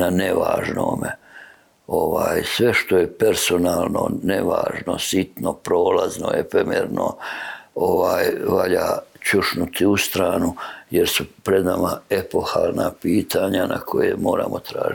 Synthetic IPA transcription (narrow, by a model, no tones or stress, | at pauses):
naneʋaːʒno̰ːme | o̞ʋaːjsʋe̞ʃt̪o̞je̞peɾso̞naːlno̞̰neʋa̰ːʒno̞sit̪no̞pɾo̞ːlazno̞epemḛɾno̰ | oʋaːjʋaʎat͡ʃuʃnut̪ʰiust̪ɾaːnujeɾsupɾe̞d̪namae̞po̞xalnapiːt̪ʰaɲana̰kʰo̞jemo̞ːɾa̰ːmo̞t̪ɾaːʒ